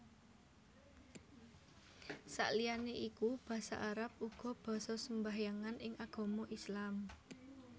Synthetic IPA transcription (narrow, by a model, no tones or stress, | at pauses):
sa̰ʔlijaneʔikub̥ä̤sa̰ʔaɾap̚uɡ̥ɔ̤b̥a̤sɔsəmbaɦjaŋanɪŋʔaɡ̥ɔ̤mɔʔislam